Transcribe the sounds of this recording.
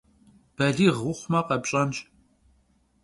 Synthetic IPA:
b̥ɐɮiːʁʊχʷmɐqɐpɕʼɐnt͡ʃʼ

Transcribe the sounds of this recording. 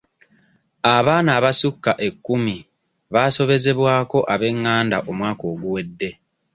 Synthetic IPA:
aβaːnaːβasukːaʔe̞kːumi | βaːso̞βe̞ze̞βwaːko̞ʔaβe̞ŋːaːnda̰ʔo̞mwaːko̞ːɡuwe̞dːe̞

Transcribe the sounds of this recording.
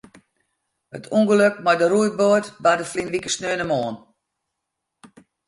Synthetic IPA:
hətʰuŋɡəløk̚majdəɾujboətbadəflinʋikəsnøənəmoːn

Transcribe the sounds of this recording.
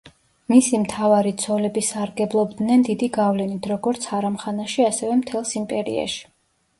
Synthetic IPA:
misimt̪ʰavaɾit̪sʰɔlɛbisaɾɡɛblˠɔbd̪nɛnd̪id̪iɡavlɛnit̪ʰɾɔɡɔɾt̪sʰaɾamχanaʃiasɛvɛmt̪ʰɛlˠsimpʼɛɾḭa̰ʃi̥

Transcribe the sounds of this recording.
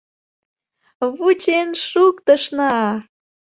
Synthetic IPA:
βut͡ɕenʃukt̪əʃnɑ

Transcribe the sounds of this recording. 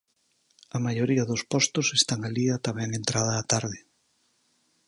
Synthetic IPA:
ɐmajoɾiɐðospɔst̪ʊsest̪aŋaliat̪amɛŋent̪ɾað̞ɐːt̪aɾðɪ

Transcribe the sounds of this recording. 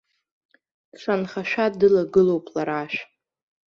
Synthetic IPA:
t͡sʷʰanχaʃᶣadɨlaɡɨlo̞wpʼlaɾaʃᶣ

